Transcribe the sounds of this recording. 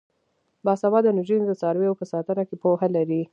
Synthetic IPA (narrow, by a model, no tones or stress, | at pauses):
bɑsabɑd̪ənʊʒind̪ət͡sɑɾwejopəsɑt̪ənakepoɦalaɾi